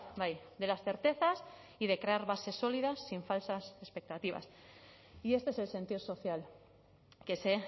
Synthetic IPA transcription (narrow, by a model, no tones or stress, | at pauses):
bajd̪e̞lasθe̞ɾt̪e̞θas | iðe̞kɾe̞aɾβase̞so̞lið̞asːiɱfalsase̞spe̞k̚t̪at̪iβa̰s | ie̞st̪eese̞lse̞nt̪iɾso̞θjal | ke̞se̞